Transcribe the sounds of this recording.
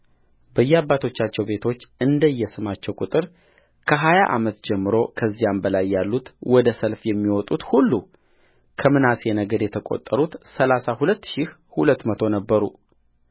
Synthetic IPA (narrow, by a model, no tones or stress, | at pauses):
bəjːɛabːat̪ʰo̞t͡ʃːat͡ʃːɛwbe̞t̪ʰo̞t͡ʃːɨnd̪əjːɛsɨmat͡ʃːɛwkʼut̪ʼɨɾ | kʰəɦajaʔamət̪d͡ʒɛmːɨɾo̞kʰəzːijambəlajːalːut̪wɔd̪əsəlfjɛmːiwɔt̪ʼut̪hulːu | kʰəmɨnasjɛnəɡəd̪jɛt̪ʰəkʼo̞̰t̪ʼːəɾut̪səlasahulət̪ːʃih | hulət̪ːmət̪ʰonəbːəɾu